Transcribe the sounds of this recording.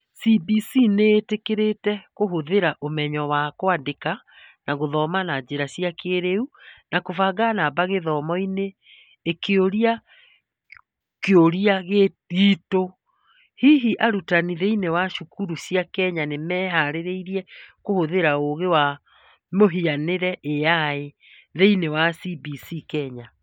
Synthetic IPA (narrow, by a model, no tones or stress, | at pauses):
sibisineːtekeɾetɛkoɦoðeɾaʔomɛɲɔwakwadeka | naɣoðɔmanad͡ʑeɾaɕiakʰeɾeunakovaɡanabaɣeðɔːmɔineː | kʰeoɾia | keoɾiaɣe | ɣiːto | hiɦiʔaɾutaniðeinewaʃukuɾusiakɛɲanemɛːɦaɾeɾeiɾiɛkohoðeɾaoɣewa | moɦianeɾɛʔejae | ðeinewasibisikɛɲa